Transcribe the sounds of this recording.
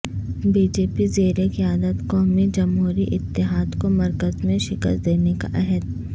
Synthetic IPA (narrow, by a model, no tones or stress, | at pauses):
biːd͡ʒeːpizeːɾekiaːd̪ət̪kɔːmid͡ʒɐmɦuːɾiʔɪt̪ːɪɦaːd̪komɐɾkəzmẽʃɪkə̰st̪̚d̪eːneka̰ʔɛɦəd̪